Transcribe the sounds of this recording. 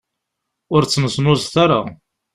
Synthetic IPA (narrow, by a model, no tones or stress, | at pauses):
ʊɾt͡sːnəsnʊzθaɾa̰